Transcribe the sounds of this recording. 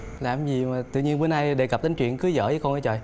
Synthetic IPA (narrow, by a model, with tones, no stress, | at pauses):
laː˨˩mzi˨˩maː˨˩t̪ɨ̰˧˨ɲi˧ənvəː˨˦na˧jɗe˨˧˩kp̚t̪i˨˦ŋt͡ɕwḭ˧˨ənkɨ˨˦zə̰ː˧˥˦zəː˨˦jkɔ˧nʔaː˧˦jt͡ɕəː˨˩j